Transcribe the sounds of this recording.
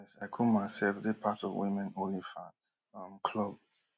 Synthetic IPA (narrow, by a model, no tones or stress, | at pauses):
ɛsaɪkʰumaɪsɛlfðepʰatɔvwimɛ̃nõnlifa | ʌ̃mkʰlʌb̚